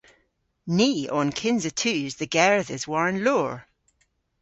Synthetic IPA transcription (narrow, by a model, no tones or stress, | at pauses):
niːɔnkʰɪ̃nzətʰʉːzðəɡɛɹðəzwaɹə̃nloːɹ